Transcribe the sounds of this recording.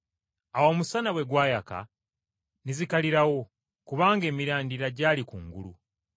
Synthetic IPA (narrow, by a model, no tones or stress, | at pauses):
awo̞ːmusanawe̞ɡwaːjaka̰ | nizikaliɾawo̞ | kuβaːŋɡe̞ːmiɾaːndiɾaɟaːlikṵŋɡṵlṵ